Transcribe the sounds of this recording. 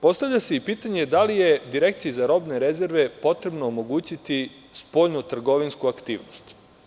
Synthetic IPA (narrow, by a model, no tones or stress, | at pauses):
po̞st̪aʋʎʲaseipiːt̪aɲe̞d̪alije̞d̪iɾe̞kt̪sijizaɾo̞bne̞ɾe̞ze̞ɾʋe̞po̞t̪ɾe̞bno̞ːmo̞ɡuːt͡ɕit̪i | spo̞ʎnut̪r̩ɡo̞ʋinskuakt̪ḭːʋnost̪